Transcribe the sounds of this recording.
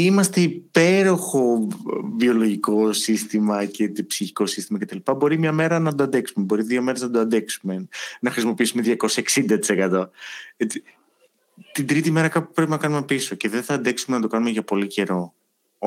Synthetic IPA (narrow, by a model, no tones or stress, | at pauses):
imɐst̪e̞ipe̞ɾo̞xo̞vio̞lo̞ʝiko̞sist̪imɐcepsiçi̥ko̞sist̪imɐcet̪ɐlipɐbo̞ɾimɲɐme̞ɾɐnɐd̪oɐnd̪e̞ksume̞bo̞ɾiðio̞me̞ɾe̞znɐd̪oɐnd̪e̞ksume̞nɐxɾisimo̞piisume̞ðʝɐko̞sɐeksind̪ɐt̪i̥se̞kɐt̪o̞et͡si | t̪ind̪ɾit̪ime̞ɾɐkɐpupɾepinɐkɐnume̞piso̞ce̞ðeθɐːnd̪e̞ksume̞nɐt̪o̞kɐnumeʝɐpo̞lice̞ɾo̞